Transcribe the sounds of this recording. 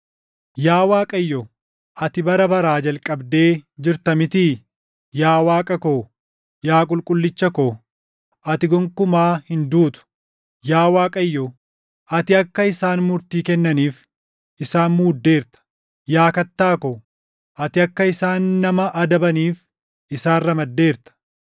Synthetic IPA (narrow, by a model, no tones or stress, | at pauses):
jaːwaːkʼɐjːɔ | ʔɐt̪ɪbɐɾɐbɐɾaːd͡ʒɐlkʼɐbd̪eːd͡ʒɪɾt̪ɐmɪt̪iː | jaːwaːkʼɐkoː | jaːkʼʊlkʼʊlːɪt͡ʃːɐkoː | ʔɐt̪ɪɡɔŋkʊmaːhɪnd̪uːt̪ʊ̥ | jaːwaːkʼɐjːo | ʔɐt̪ɪɐkːɐɪsaːnmʊɾt̪iːkɛnːɐniːf | ʔɪsaːnmuːd̪ːe̞ːɾt̪ɐ̥ | jaːkɐt̪ːaːkoː | ʔɐt̪ɪɐkːɐɪsaːnːɐmɐʔɐd̪ɐbɐniːf | ʔɪsaːrːɐmɐd̪ːe̞ːɾt̪ɐ̥